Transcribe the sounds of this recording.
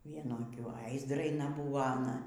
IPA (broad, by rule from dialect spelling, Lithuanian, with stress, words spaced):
ˈʋʲiɛnʊ ɐˈkʲʊ ɐɪ zdrɐɪˈnɐ ˈbuːʋoː ɐˈnɐ